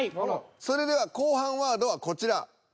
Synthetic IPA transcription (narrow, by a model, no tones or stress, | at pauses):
so̞ɾe̞d̪e̞β̞ako̞ːɦãɰ̃βaːd̪o̞βako̞t͡ɕiɾa